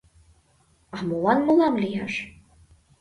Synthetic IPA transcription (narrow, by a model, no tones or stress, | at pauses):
ɑmolɑnmɤlɑmlijɑʃ